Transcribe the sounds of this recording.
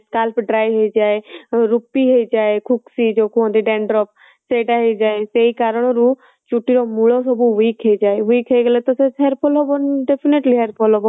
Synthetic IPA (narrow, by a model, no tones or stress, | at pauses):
skalpɖɾajɦejd͡ʒaeɾupiɦejd͡ʒaekʰuksid͡ʒokʰuɦɔ̃nd̪iɖeɳɖɾɔp̚ | seʈaɦed͡ʒaeseikaɾɔɽ̃ɔɾu | t͡ʃuʈiɾɔmuɭɔsɔbuwikɦejd͡ʒaewikɦejɡelet̪ɔseɦeɾpʰɔlɦɔbɔnɖepʰineʈliɦeɾpʰɔlɦɔbɔn